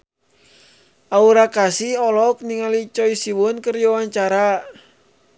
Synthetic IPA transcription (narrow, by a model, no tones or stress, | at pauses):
ʔauɾakasiɔlɔk̚niŋalit͡ʃɔisiwʊnkərjɔwaɲt͡ʃaɾa